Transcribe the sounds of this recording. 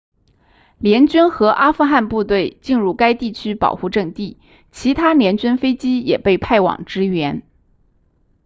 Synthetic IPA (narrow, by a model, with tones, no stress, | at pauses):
ljɛ˧˥nt͡ɕy˥nxɤ˧˥ʔa˥fu˥˧xa˥˧npu˥˧t̪we˥˧ɪt͡ɕi˥˧nɻu˥˩ka˥ɪt̪i˥˩t͡ɕʰy˥pɑ̰˨˩ʊxu˥˧ʈ͡ʂɤ˥˧ŋt̪i˥˩ | t͡ɕʰi˧˥t̪ʰa˥ljɛ˧˥nt͡ɕy˥nfe˥ɪt͡ɕi˥jɛ̰˨˩pe˥˧ɪpʰa˥˩ɪwɑ̰˨˩ŋʈ͡ʂɻ̩˥ɥɛ˧˥n